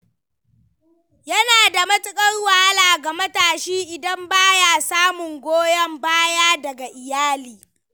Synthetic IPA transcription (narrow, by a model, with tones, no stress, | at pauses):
jɐ˦naː˨da˨mɐ˦tʼɪ˦kʼɐ˦rwaː˦laː˨ɡa˨mɐ˦taː˨ʃiː˦ʔɪ˨dɐ˦mbaː˦jaː˨saː˦mʊ˨ŋɡʷoː˦jɐ˦mbaː˦jaː˦dɐ˨ɡa˨ʔɪ˨jaː˦liː˨